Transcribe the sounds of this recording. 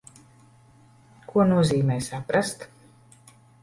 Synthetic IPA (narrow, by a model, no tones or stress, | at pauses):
kʰuɔnuɔziːmɛːjsapɾast̪